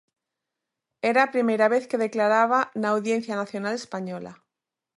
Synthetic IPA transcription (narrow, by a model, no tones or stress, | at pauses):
eɾaːpɾimejɾaβ̞eθkeð̞e̞klaɾaβ̞anaːwðje̞nθjanaθjonalespaɲola̰